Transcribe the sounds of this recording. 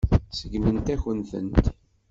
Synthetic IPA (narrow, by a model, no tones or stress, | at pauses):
səɡmənt̪æçənθə̰nt̪